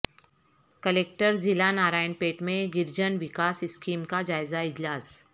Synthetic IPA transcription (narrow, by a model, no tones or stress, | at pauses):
kəleːk̚ʈəɾzɪlanaːɾaːjənpeːʈmẽɡɪɾd͡ʒənʋɪkaːsɪskiːmkad͡ʒaːɪzaɪd͡ʒlaːs